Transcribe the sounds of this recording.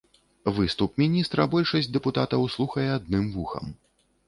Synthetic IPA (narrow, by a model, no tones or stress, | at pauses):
vɨst̪upmʲinʲist̪ɾɐbɔlʲʂɐsʲd̪ɛput̪at̪ɐwslˠuxɐjɛad̪nɨmvuxɐ̰m